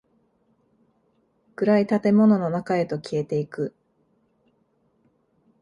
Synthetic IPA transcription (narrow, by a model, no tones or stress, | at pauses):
kɯ̟ɾait̪at̪e̞mo̞no̞no̞nakae̞t̪o̞kʲie̞t̪e̞ikɯ̟